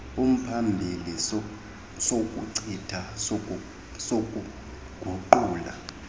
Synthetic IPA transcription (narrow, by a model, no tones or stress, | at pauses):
um̩pʰambʱili | sokʼuǀitʰas | sok̬ʼu | ɡ̥ʱuǃuːla̰